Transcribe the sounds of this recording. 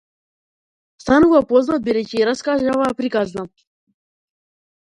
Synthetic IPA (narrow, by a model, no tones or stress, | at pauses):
st̪anuvapoznat̪̚biɾɛciɾaskaʒavapɾikazna